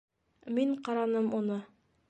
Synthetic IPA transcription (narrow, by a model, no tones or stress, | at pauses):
miɴqɑɾɑnɤmunɤ